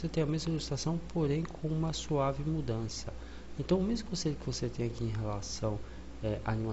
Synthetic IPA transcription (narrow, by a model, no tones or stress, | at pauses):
set̪ẽj̃ɐmezmɐluʒisit̪ɾasɐ̃w̃pʰoɾẽj̃kʰõũmɐsuavɪmud̪ɐ̃sɐ | ẽnt̪ɐ̃w̃ʊmezmʊkovõseʎʊkɪvoset̪ẽj̃akĩẽj̃ɦelasɐ̃w̃ | ɛʔaanĩma